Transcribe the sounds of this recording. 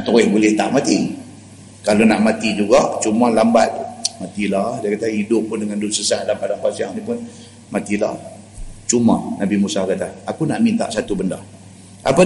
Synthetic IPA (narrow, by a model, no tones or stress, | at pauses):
ʔt̪uɣɪhbulɪht̪a̰ʔmat̪i | kalonaʔmat̪id͡ʒuɡaʔt͡ʃumalambat̪̚mat̪iladiakat̪aidʊpːʊndəŋandusəsaʔ̚dampadaŋpasiaʔnipʊn | mat̪ila̰h | t͡ʃuma̰nabimusahkat̪aːkunaʔmint̪a̰ʔsat̪ubəndah | a̰pa